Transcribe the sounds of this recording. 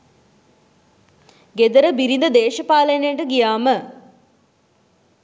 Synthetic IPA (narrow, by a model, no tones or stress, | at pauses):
ɡed̪əɾəbiɾind̪əd̪eːʃəpaːləjnejəʈəɡijaːmə